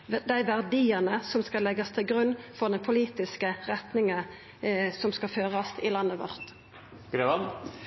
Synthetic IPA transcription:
d̪æɪʋæʁd̪iːənəsɔmskɑlɛɡəst̪ʰɪlɡɾʉnːfɔʁd̪ɛnpʰʊliːt̪ɪskəʁɛt̪nɪŋə | sɔmskɑføːʁɑst̪ɪlɑnːəʋɔ̰ʁt̪ | ɡ̥ɾeːʋɑn

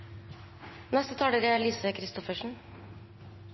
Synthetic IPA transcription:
nɛst̪ət̪ʰɑːɽəɾɛliːsəkʰɾɪst̪ɔfəʂɳ̩

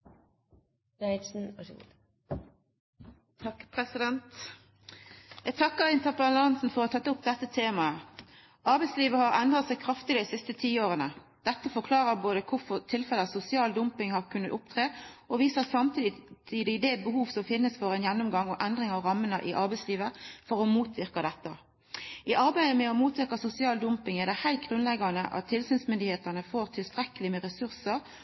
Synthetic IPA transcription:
ɛɪsn̩̰ | t̪ʰɑkpʰʁɛsɪd̪ɛnt̪ | jæɡt̪ʰɑkːəʁɪnt̪əʁpəlɑnsn̩fɔʁɔt̪ʰɑt̪ːʊpd̪ɛt̪ːət̪ʰeːmɑə | ʔɑʁbæɪsliːʋəhɑʁɛnd̪ʁɑt̪sæɪkʰʁɑft̪ɪd̪əd̪ɪsɪst̪ət̪ʰiːoːʁənə | d̪̥ɛt̪ːəfɔkʰlɑːʁəboːd̪əkʰʊʁfɔʁt̪ʰɪlfɛləsʊsɪɑːld̪ʊmpɪŋhɑʁkʰʉnːət̪ʊp̚t̪ʰʁeːʔɔʋiːsəsɑmt̪ʰiːt̪ʰiːd̪ɪd̪ɛbəhuːʋsɔmfɪnːəsfɔɾɛnjɛnːʊmɡɑŋɔʔɛnd̪ʁɪŋɑʋɾɑmːənəʔɪʔɑʁbæɪsliːʋəfɔʁɔmuːt̪ʰʋɪʁkɑd̪ɛt̪ːə | ɪʔɑɾbæɪəmɛɔmuːt̪ʋɪʁkɑsʊsɪɑːld̪ʊmpɪŋɛʁd̪ɛhæɪt̪ɡʁʉnlɛɡɑnəʔɑ̰t̪ʰːɪlsyːnsmʏnd̪ɪheːt̪əʁnəfoːʁt̪ʰɪlst̪ʁɛkəlɪmɛʁɛsʉʁsəʁ

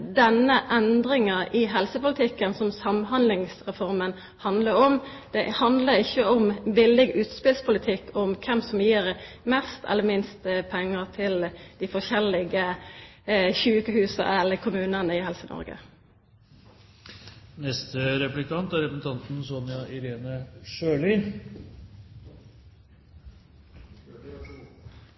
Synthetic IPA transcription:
d̪ɛnːəʔɛnd̪ɾɪŋəɪɦɛlsəpʊlɪt̪ʰɪkːənsɔmsɑmɦɑnd̪lɪŋsʁɛfɔʁmən | hɑnd̪ləɾɔm | d̪̥ɛhɑnd̪ləɾɪçːəɔmbɪlːɪɡʉːt̪spɪlspʰʊlət̪ʰɪkːɔmkʰɛmsɔmjiːɾmɛst̪ʰɛ̰lːəɾmɪnst̪pʰɛŋːəʁt̪ʰɪld̪̥ɪfɔçɛlːɪɡə | çʉːkəhʉːsə̰ɛlːəkʰʊmʉːnənəɪhɛlsənʔɔ̰ɾɡə̰ | nɛst̪əɾɛplɪkʰɑnt̪æɾɛpɾəsn̩t̪ʰɑnt̪n̩sɔnɪɑɪɾeːnəʂøːlɪ

